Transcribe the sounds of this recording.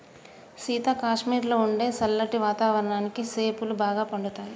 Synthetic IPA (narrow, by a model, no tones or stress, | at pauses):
siːt̪aːkaːʂmiːɾloːuɳɖe̞ːsɐlːɐʈiʋaːt̪aːʋɐɾɐɳaːnikise̞ːpulubaːɡaːpɐɳɖut̪aːji